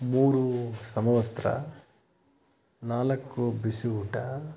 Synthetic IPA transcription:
muːɾusɐmɐʋɐst̪ɾɐ̰ | naːlɐkːubisiuʈɐ

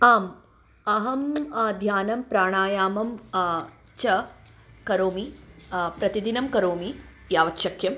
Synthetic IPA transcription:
aːm | ɐɦɐmɐd̪ʱjaːnɐmpɾaːɳ̃aːjaːmɐm | t͡ʃɐkɐɾoːmipɾɐt̪id̪inɐmkɐɾoːmi | jaːʋɐtʃɐkjɐm

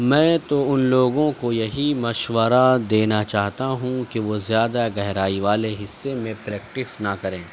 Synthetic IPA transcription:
mɛ̃ːt̪oʊnloːɡõkojɐɦimɐʃʋəɾad̪eːnat͡ʃaːɦt̪aɦũkeʋozjaːd̪aɡɛɦɾaːiʋaːleɦɪsːemẽpɾɛːk̚ʈɪsnakɐɾẽː

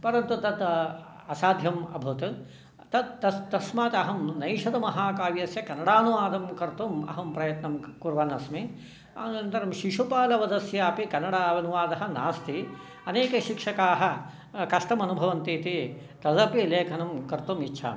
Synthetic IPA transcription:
pɐɾɐnt̪ut̪ɐd̪ | ɐsaːd̪ʱjɐmɐ̰bʱut̪ | t̪ɐt̪̚ːɐt̪ɐsmaːt̪ɐɦɐmnɐjʃɐd̪ɐmɐɦaːkaːʋjɐsjɐkɐnɐɽaːnuʋaːd̪ɐmkɐɾt̪umɐ̰ɦɐmpɾɐjɐt̪nɐmkuɾʋɐnɐsmi | aɐnt̪ɐɾɐmʃiʃupaːlɐʋɐd̪ɐsjaːpikɐnɐɽaːʋɐnuʋaːd̪ɐɦɐ̆naːst̪i | ɐneːkɐʃikʂɐkaːɦɐ̆ | kɐʂʈɐmɐnubʱɐʋɐnt̪iːt̪i | t̪ɐd̪ɐpileːkʰɐnɐmkɐɾt̪umitːʃʰa̰ːm

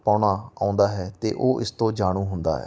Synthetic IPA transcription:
paːɽaːa̰ːʊ̃nd̪aːɦɛːt̪ḛːʔoːʔɪst̪õːd͡ʒaːɽ̃uːɦʊnd̪a̰ːɦɛ̰ː

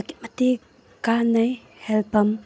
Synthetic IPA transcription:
kit̚mati | kanaj | hɛlpʰɐm

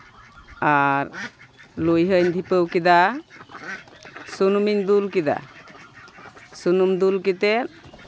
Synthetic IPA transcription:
aɾ | lujɦəɲd̪ʱipəwkid̪a | sunumiɲd̪ulkid̪a̰ | sunumd̪ulkit̪ɛt̚

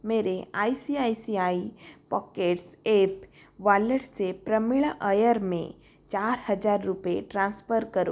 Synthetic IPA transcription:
meːɾeaːisiaːisiaːipɔːkeːʈseːp | ʋaːləɽsepɾɐmɪɭʔəjəɾmḛ̃ | t͡ʃaːɾhɐd͡ʒaːɾːʊpeʈɾãːnspʰəɾkɐɾṵ

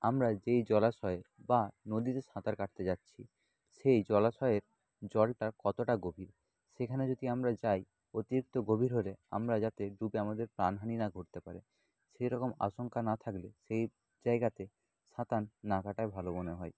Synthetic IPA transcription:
amɾad͡ʑejd͡ʑɔlaʃɔeebanod̪it̪eʃãt̪aɾkaʈ̚t̪ed͡ʑatːɕʰi | ʃejd͡ʑɔlaʃɔeeɾ | d͡ʑɔlʈaɾkɔt̪oʈaɡobʱiɾ | ʃekʰaned͡ʑod̪ʱiamɾad͡ʑaj | ot̪iɾik̚t̪oɡobʱiɾɦolea̰mɾad͡ʑat̪eɖubeamad̪eɾpɾanɦaninaɡʱoʈt̪epaɾe | ʃejɾɔkoma̰ʃoŋkanat̪ʰakleʃej | d͡ʑaeɡat̪e | ʃãt̪anːakaʈaebʱaloboneɦɔe

